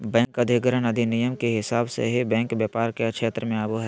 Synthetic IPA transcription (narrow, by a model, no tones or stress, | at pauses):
bɛ̃ːŋkəd̪ʱɪɡəɾənəd̪ʱinijəmkeɦɪsaːbsḛɦibɛ̃ːŋkbjaːpaːɾkekʃʰeːt̪ɾəmẽaːboɦɛ